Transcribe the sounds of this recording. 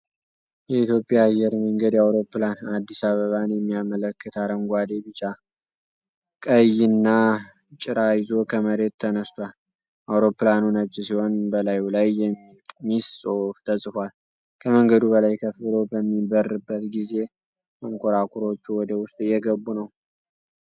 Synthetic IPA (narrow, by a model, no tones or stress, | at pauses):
jɛit̪jo̞pʼːjaːjːɛɾməŋɡəd̪jawɾo̞pːlanad̪ːisaβəβanjɛmːijamələkʰːət̪ʰaɾəŋɡʷad̪e̞bɨt͡ʃʼːa | kʼəjːɪnːa | t͡ʃʼɪɾajɪzo̞kʰəməɾe̞t̪ʰːənəst̪ʰwal | ʔawɾo̞pːlanunət͡ʃʼːɪsiho̞nbəlajlajːɛmːimissʼo̞ft̪ʰəsʼfal | kʰəməŋɡəd̪uβəlajkʰəfːɨlo̞bəmːibərːɨbːət̪ɡize̞ | məŋkʰoɾakʰuɾo̞t͡ʃːuwɔd̪əwʊst̪ʼjɛɡəβːunəw